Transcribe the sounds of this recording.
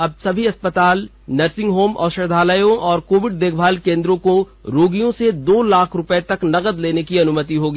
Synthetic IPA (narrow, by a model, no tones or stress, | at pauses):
ɐb̚sɐbʱiɐspət̪aːl | nɐɾsɪ̃ŋɡɦoːmɔ̰ːɾʃɐɾd̪ʱaːləjõʔɔːɾkoːʋɪɖ̚d̪eːk̚ʰbʱaːlkẽːnd̪ɾõko | ɾoːɡijõsed̪oːlaːkʰɾʊpəet̪ɐknɐɣəd̪leːnekiɐnʊmət̪iɦoːɡiː